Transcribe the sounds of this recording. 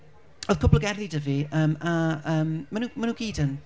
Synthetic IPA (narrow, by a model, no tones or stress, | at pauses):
ɔð̥kʰʊbləɡɛrðidəviəːmaəːmːanuːmanuːnɡ̥iːdən